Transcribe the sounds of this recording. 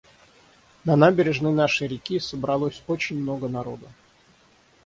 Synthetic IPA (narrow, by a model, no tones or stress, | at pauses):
nɐnabʲɪɾʲɪʐnɨjnaʂɨjɾʲɪkʲisəbɾɐlˠosʲot͡ɕɪnʲmno̞ɡənɐɾo̞̰d̪ə